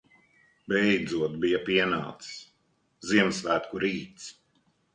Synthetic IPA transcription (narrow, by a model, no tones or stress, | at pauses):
bɛjd̪zuɔt̪bijapiɛna̰ːt̪ss | ziɛmsvæːt̪kuɾiːt̪s